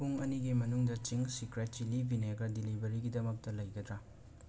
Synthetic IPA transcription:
puŋɐniɡimɐnuŋdɐt͡ʃiŋsikɾet̚d͡ʒilibʱineɡɐdilibɐɾiɡidɐmɐk̚tɐlɐjɡɐdɾa

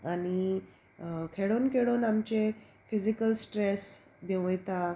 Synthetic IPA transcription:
añi | kʰeɽonkeɽoːnamt͡ɕe | fid͡ʑikəlsʈɾes | d̪eʋojt̪a

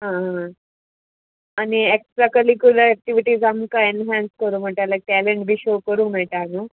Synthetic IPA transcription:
ɦãɦã | anieksʈɾakəlikuləɾɛk̚ʈiʋiʈiːzamkaenɦãnskəɾũːm̤əɳʈalak̚ʈæleɳʈbʱiːɕokəɾũːm̤eɭʈaanu

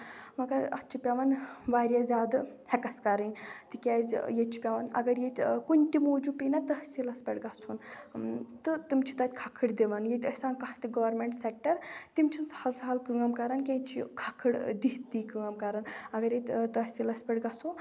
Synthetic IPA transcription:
mɐɡɐɾɐ̰st͡ʃʰipʲaʋɐnʋaːɾʲjazʲaːd̪ɨhekɐskɐɾənʲt̪ɨkʲaːzʲjet͡ʃʰi̥pʲaʋɐnɐ̰ɡɐɾjet̪ʲkunʲt̪imoːd͡ʒupʲinat̪ɐɦɐsʲilɐspʲɐɽɡat͡sʰun | t̪ɨt̪imt͡ʃʰi̥t̪ɐt̪ʲkʰakʰɨɽd̪iʋɐnjet̪ʲɐsʲaːnkɐht̪iɡɐʋɐɾmeɳʈsek̚ʈɐɾt̪imt͡ʃʰinsɐ̥hɐlsɐɦɐlkɨŋɐmkɐɾɐnkʲẽːt͡ʃʰḭkʰakʰɨɽd̪iɦt̪ːikɨŋɐmkɐɾɐnɐɡɐɾjet̪ʲt̪ɐɦɐsʲilɐspʲɐʈɡat͡sʰo

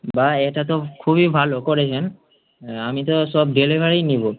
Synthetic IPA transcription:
baɛtatɔkʰuβibʱalokɔɹɛɦɛn | amitɔsɔb̚delibʱaɹijnibɔ

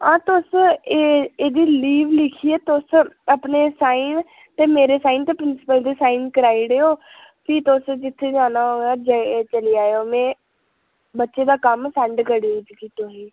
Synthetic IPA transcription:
ãːt̪ʊseeːd̪iːliːʋlɪkʰiːeːt̪ʊsəpneːsaːin | t̪eːmeːɾeːsaːiːnt̪eːpɾɪnsɪ̥pəld̪iːsaːiːnkəɾaːiːɽeːoː | t̪iːt̪ʊsd͡ʒɪt̪ʰːeːd͡ʒaːnaːɦoːaːd͡ʒaet͡ʃəliːaːjoːmɛ̃ː | bətːʃeːd̪aːkəmsɛɳɖkəɽid͡ʒkiːt̪ʊsiː

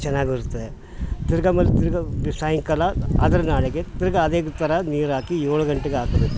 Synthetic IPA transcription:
t͡ʃɛnːaːɡiiɾut̪ːɐd̪e | t̪iɾɡɐmɐlːt̪iɾɡɐsaːjɐŋkɐlɐɐd̪ɐɾɐnaːɭeɡet̪iɾɐɡɐːd̪eːɡt̪ɐɾɐniːɾaːkijoːɭɐɡɐɳʈeɡeaːk̪ɐd̪e

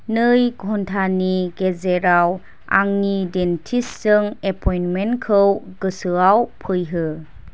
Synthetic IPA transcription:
nɯjɡʱɔntʰaniɡezeɾaw | a̰ŋnidentʰissɯŋepʰɔjnmenkʰɯwɡɯsɯawpʰɯjɦɯ

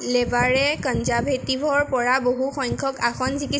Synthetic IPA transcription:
lebaɹɛkɔnzabʱetibʱɔɹpɔɹaboɦuxɔjŋkʰɔkaxʰɔnziki

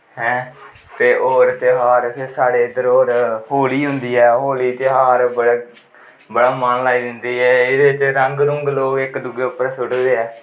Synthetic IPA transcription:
hɛ̃ː | t̪eːʔoːɾt̪eːɦaːɾpʰɪɾsaːɽeːɪd̪əɾoːɾɦoːliːɦʊnd̪iːɛːɦoːliːt̪eɦaːɾbəɽ | bəɽaːmənlaːiːd̪ɪnd̪iːɛːɪd̪eːɪt͡ʃɾəŋɡɾʊŋɡloːkɪkd̪ʊɡeːʊpəɾsʊʈd̪eːɛː

